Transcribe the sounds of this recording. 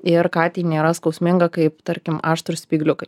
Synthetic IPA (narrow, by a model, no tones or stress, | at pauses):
ɪɾkɑːt̪ʲiːnʲeːɾɐskɐʊsʲmʲɪŋɡɐkɐɪpt̪ɐɾʲkʲɪmɑːʃt̪ɾʊsʲpʲiːɡlʲʊkɐɪ